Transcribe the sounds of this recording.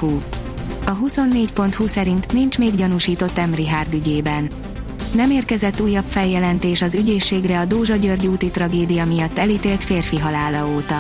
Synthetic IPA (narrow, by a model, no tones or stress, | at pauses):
huː | ɒɦuso̞nːeːcpo̞nt̪huːsɛɾint̪nint͡ʃmeːɡɟɒnuːʃiːt̪o̞t̪ːɛmriɦaːrd̪yɟeːbɛnː | ɛmeːrkɛzɛt̪ːuːjːɒpfɛljɛlɛnt̪eːʃɒzyɟeːʃːeːɡrɛɒd̪oːʒɒɟørɟuːt̪it̪rɒɡeːd̪ijɒmijɒt̪ːɛliːt̪eːlt̪feːrfiɦɒlaːlɒoːt̪ɒ